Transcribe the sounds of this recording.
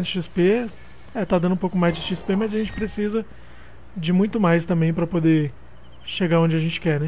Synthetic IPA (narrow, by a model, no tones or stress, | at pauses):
ʃispe | ɛt̪ad̪ɐ̃nd̪ʊ̃ũpowkʊ̃majzd͡ʒɪʃispemɐzɐʒẽnt͡ʃɪ̥pɾesizɐ | d͡ʒɪmũj̃t̪ʊmajst̪ɐ̃mbẽj̃pɾɐpod̪e | ʃeɡaɾõd͡ʒɪɐʒẽnt͡ʃɪ̥kɛnɛ